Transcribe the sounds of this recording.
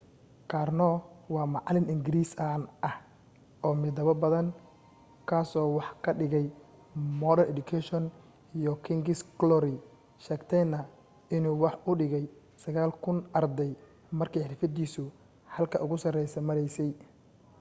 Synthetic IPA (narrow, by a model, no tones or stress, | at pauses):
kʰaːrnɔwɑːmɑʕlɪnɪŋɡɪɾiːsɐnʔɐh | ʔɔːmɪd̪ɐβɐbɐðɐŋ | kʰaːsɔːwɑħkʰɐɖɪɣɛj | mɔːɾɐɾʔɛd̪ʊkʰɛʃɔn | ijɔkʰɪŋɡɪsklɔɾɪ | ʃɛːɡt̪ʰɛjnɐ | ɪnuːwɑħʔʊɖɪɣɛj | sɐɣaːlkʰʊnʔɐrd̪ɛj | mɐrkʰɛjħɪrfɐd̪iːsʊ | hɐlkʰɐʔʊɣʊsɐrɛjsɛmɐɾɛjsɛj